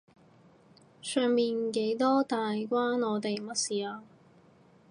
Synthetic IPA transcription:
sœː˨˧ŋmiː˨nke˨˥jt̪ɔː˥t̪aː˨jkʷaː˥nɔː˨˧t̪e˨jmɐ˥t̚siː˨aː˧

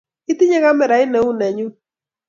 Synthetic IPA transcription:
i˦ti˦ɲɛ˦ɣa˦mɛ˨ɾa˨˦ɪ˦nɛ˨˦u˦nɛ˨ɲu˦

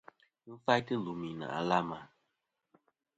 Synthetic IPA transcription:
m̩˦fa˦jtɨ˦lu˨mi˨na̰˨ʔa̰˨la˦ma˨

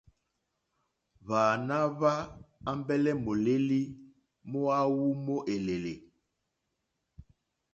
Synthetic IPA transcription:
βaː˨na˦βa˦a˦mbɛ˦lɛ˦mo˨le˦li˦ | mo˦a˦wu˦mo˦ʔe˨le˨le˨

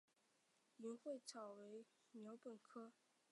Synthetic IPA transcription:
y˧˥nxwe˥˩ɪt͡sʰɑ˨˩ʊwe˧˥ɪ | mjɑ˧˥ʊpə˨˩nkʰɤ˥

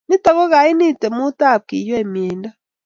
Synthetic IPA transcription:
ni˦ta˨ɣɔ˦ɣa˨i˦ni˦˨te˨mu˦ta˦˨kḭ˨jwe˦˨mjeː˨nda˦

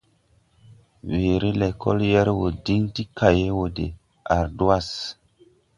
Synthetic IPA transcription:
we˨ɾi˦lɛ˨kɔ̰˦ljɛ˦ɾwo˨di˦ŋti˦kʰa˨je˦wo˨dḛ˨ | a˨ɾdu˦a˦s

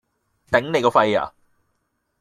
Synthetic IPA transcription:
t̪ɛ˨˦ŋne˨jkɔː˧fɐ˧ja̰ː˨

